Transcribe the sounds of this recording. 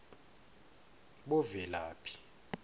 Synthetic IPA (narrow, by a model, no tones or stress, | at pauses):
ɓɔvɛlaːpʰi̥